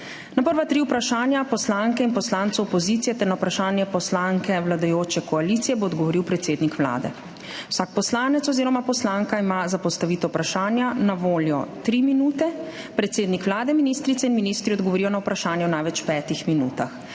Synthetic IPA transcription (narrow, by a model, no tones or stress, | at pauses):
napəɾʋat̪ɾiuwpɾaʃaːnjapɔslaːŋkɛinpɔslaːnt̪suɔpɔziːt̪sijɛt̪ɛɾnawpɾaʃaːnjɛpɔslaŋkɛwlad̪ajoːt͡ʃɛkɔaliːt̪sijɛboːd̪ɡɔʋɔɾiwpɾɛt̪seːd̪nikʋla̰ːd̪ɛ̰ | wsaːk̚pɔslaːnɛt̪sɔziːɾɔmapɔslaːŋkaimazapɔst̪aʋiːt̪ɔwpɾaʃaːnjanaʋoːljɔt̪ɾiminuːt̪ɛ | pɾɛt̪seːd̪nikʋlaːd̪ɛminist̪ɾit̪sɛinminist̪ɾiɔd̪ɡɔʋɔɾiːjɔnawpɾaʃaːnjɛwnaːjʋɛt͡ʃpɛːt̪ixminṵːt̪a̰x